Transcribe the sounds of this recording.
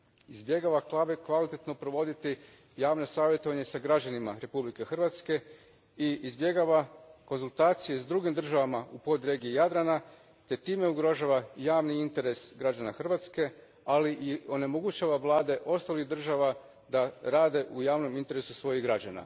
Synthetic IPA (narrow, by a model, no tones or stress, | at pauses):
izbje̞ɡaʋaklˠabekʋalit̪et̪no̞pɾoʋo̞d̪it̪i | jaːʋno̞saːʋjet̪o̞ʋaɲe̞saɡɾad͡ʑanimaɾe̞publike̞xr̩ʋat̪ske̞ | iizbje̞ɡaʋakonzult̪aːt̪sijezd̪ɾuɡimd̪r̩ʒaʋamaupo̞d̪ɾeːɡiejad̪ɾana | t̪e̞t̪iːme̞uɡɾo̞ʒaʋajaːʋniint̪e̞ɾe̞sɡɾad͡ʑanaxr̩ʋat̪ske̞ | aliʔio̞ne̞moɡut͡ɕaʋaʋlˠaːd̪e̞ʔo̞st̪aliɣd̪r̩ʒaʋa | d̪aɾaːd̪e̞ʔujaːʋno̞mint̪e̞ɾe̞susʋo̞jiɣɡɾad͡ʑana̰